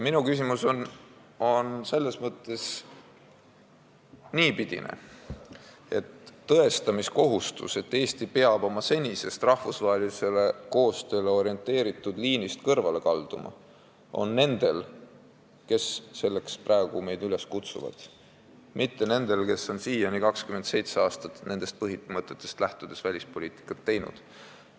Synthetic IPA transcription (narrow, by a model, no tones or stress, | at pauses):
minukysimuson | o̞nse̞lːe̞smɤt̪ˑːe̞s | niːpid̪̥ḭnḛ | e̞t̪ːɤ̞e̞st̪ɑmisko̞ɦust̪ṵse̞t̪ːe̞ːsʲt̪ipe̞ɑb̥o̞mɑse̞nʲise̞st̪rɑhvusvɑɦe̞lise̞le̞ko̞ːst̪ø̞ːle̞o̞ɾie̞nt̪ˑːe̞ːɾit̪ˑːud̪̥liːnist̪kɤrvɑle̞kɑld̪̥ṵmʔɑ̰ | o̞̰nːe̞nd̪̥e̞l | ke̞sːe̞lːe̞kspræeɡ̥ume̞jd̪yle̞skut̪sṵvɑ̰d̪̥ | mʔit̪ːe̞ne̞nd̪̥e̞lke̞so̞nsiːjɑnikɑkskymend̪se̞jt̪seɑːst̪ɑt̪ne̞nd̪e̞st̪̚pɤɦimɤt̪ːˑe̞t̪ːˑe̞st̪læht̪ud̪̥e̞svælʲispo̞liːt̪i̥kːˑɑt̪ːe̞jnṵd̪̥